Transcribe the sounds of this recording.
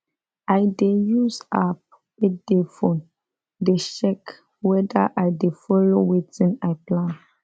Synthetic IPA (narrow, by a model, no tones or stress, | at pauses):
ajdejuzap̚ | edefɔ̃n | deʃɛk | wɛdaʔajdefɔlowetĩnajplãn